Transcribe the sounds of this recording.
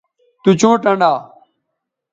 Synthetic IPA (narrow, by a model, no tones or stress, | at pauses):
t̪ut͡ɕõːʈə̃ɳɖaː